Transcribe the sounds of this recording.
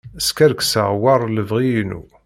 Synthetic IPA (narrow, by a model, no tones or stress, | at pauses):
əskæɾksaʁwɑrˤləvʁiinṵ